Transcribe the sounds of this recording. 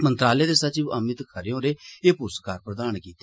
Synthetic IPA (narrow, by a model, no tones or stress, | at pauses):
mənt̪ɾaːleːd̪eːsət͡ʃiəmɪt̪kʰəɾeõːɾeːeːpuːskaːɾpɾəd̪aːnkiːt̪e